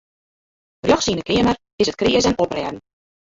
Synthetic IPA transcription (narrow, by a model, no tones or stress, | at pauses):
rjɔxsiəndəkɪəmər | ɪsət̚kriəzɛnɔprɛːdn̩